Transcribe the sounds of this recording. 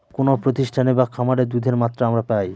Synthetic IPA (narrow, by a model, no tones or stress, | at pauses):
konopɾot̪iʃʈʰanebakʰamaɽed̪ud̪ʱeɾmat̪ːɾaamɾapaj